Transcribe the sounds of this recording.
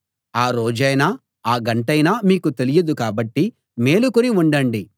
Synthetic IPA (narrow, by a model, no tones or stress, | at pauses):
aːɾo̞ːd͡ʒɐjna | aːɡɐɳʈɐjnaːmiːkut̪elijɐd̪ukaːbɐʈːi | me̞ːlukoniuɳɖɐɳɖi